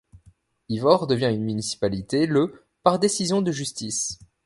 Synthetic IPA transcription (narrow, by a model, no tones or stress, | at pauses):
ivɔʁd̪əvjɛ̃ynmynisi̥palit̪elə | paʁd̪esizjɔ̃d̪əʒyst̪is